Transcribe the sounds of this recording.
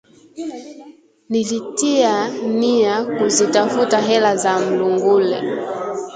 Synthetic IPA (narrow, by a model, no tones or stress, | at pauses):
nilitianiakuzitafutaɦɛlazam̩luŋɡulɛ̰